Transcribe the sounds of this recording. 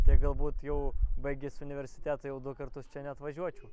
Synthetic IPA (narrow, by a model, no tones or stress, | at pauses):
t̪ʲiɛɡɐlˠbuːt̪jɛʊbɐɪɡʲɪsʲʊnʲɪʋʲɛɾʲsʲɪ̥t̪ʲæːt̪ɐjɛʊd̪ʊkɐɾt̪ʊst͡ʃʲɛnʲɛɐt̪ʋɐʒʲuɔt͡ʃʲɛʊ